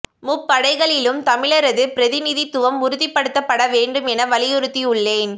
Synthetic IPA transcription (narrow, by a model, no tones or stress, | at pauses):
mʊpːɐɽɐɪɣɐɭɪlɯmt̪ɐmɪɭɐɾɐðɯpɪɾɐðɪnɪðit̪ːʊʋɐmʊɾɯðɪpːɐɽɯt̪ːɐpːɐɽɐʋeːɳɖɯmɛnɐʋɐɭɪjɯɾɯt̪ːiʊɭːeːn